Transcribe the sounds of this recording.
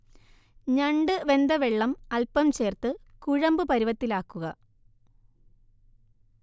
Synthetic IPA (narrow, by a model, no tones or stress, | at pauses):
ɲɐɳɖɨʋe̞nd̪ɐʋeɭːɐmɐlpːɐmt͡ɕe̞ːrt̪ɨkuɻɐmbɨpɐɾiʋɐt̪ːilaːkːuɣɐ